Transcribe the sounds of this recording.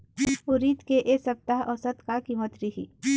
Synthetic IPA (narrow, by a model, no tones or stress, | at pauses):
ʊɾiːt̪keʔesɐp̚t̪aɦʔɔsət̪kakiːmət̪ɾiɦiː